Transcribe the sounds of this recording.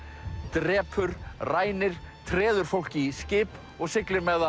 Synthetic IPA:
t̪ɾɛːpʰʏɾ̥raːjnɪɾ̥ | t̪ʰɾɛːðʏɾ̥fowl̥cɪscɪːp | ɔɣsɪklɪɾmɛɣða

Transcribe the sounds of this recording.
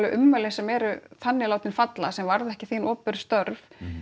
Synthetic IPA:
lʏʔʏmːœlɛsɛmɛːɾʏθanːɪlaːwt̪ɪnfat̪la̰sɛmvaɾðɛhcɪθiːnɔːpʏɾst̪œɾv

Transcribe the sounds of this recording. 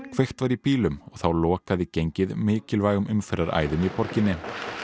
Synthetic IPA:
kʰv̥ejxt̪vaɾipiːlʏmɔɣθawlɔːkaðɪcejɲcɪðmɪːcɪlvaːjɣʏmʏmfɛɾaɾa̰ːjðʏmipɔɾcɪnːɪ

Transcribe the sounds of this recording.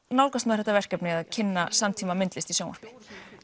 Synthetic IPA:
nawlkast̪mɛðɾɛt̪avɛr̥kɛpnɪɣaðcʰɪnːasamt̪ʰiːmamɪnt̪lɪst̪isjownvɔ̰ɾ̥pɪ̥

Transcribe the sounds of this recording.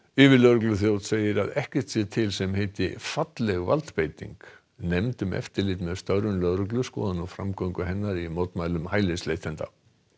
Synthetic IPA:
ɪːvɪlœɾʏklʏθjowt̪seːjɪɾaðɛhcɛ̥t̪sjɛt̪ʰɪlsɛmhejt̪ɪ̰fat̪lɛɣva̰lt̪peːjt̪ḭŋk | nɛmt̪ʏmɛ̰ft̪ɪɾlɪːt̪mɛðst̪œɾʏnlœðɾʏklʏskɔ̰ːðanawfɾamkowŋkʏɦɛnːaɾimoːt̪maːjlʏmhaːjleslejht̪ʰɛnt̪a̰

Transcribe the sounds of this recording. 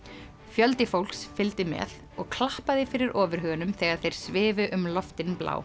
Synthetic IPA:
fjœlt̪ɪfowl̥ksfɪlt̪ɪmɛ̰ð | ɔɣkʰlahpaðɪfɪɾɪɾʔɔːvɪɾ̥ɦœɣʏnʏmθɛːɣaðθejɾ̥svɪːvʏʔʏmlɔft̪ɪnpla̰ːw

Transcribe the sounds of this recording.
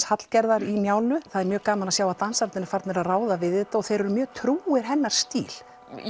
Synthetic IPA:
shat̪l̥cɛɾðaɾimjaːwlʏθaðɛɾmjœːɣkaːmanasjaːwat̪ansaɾt̪ɪnɪfaɾt̪nɪɾaðraːwðavɪðɛt̪ːaɔɣθejɾɛɾʏmjœːɣt̪ʰɾuːɪɾ̥ɦɛnːaɾ̥st̪iːl̥

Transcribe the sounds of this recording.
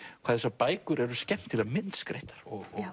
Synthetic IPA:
kʰvaːðsapaːjkʏɾɛɾʏscɛm̥t̪ʰːɪlamɪnt̪skɾḛjht̪ḁɾ̥ɔɣɔ

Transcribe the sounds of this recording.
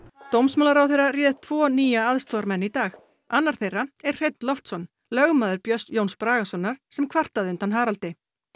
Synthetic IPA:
t̪owmsmœːlaɾawθejrarjɛːðt̪ʰvɔːniːjaaðst̪ɔɾmɛnːit̪aːx | anːaɾ̥θejrːaɛr̥r̥ejt̪nlɔft̪sɔn | lœɣmaːðʏɾpjœst̪jownspɾaːɣasɔnːaɾ̥sɛmkʰvar̥t̪aðʏnt̪anɦaːɾalt̪ɪ

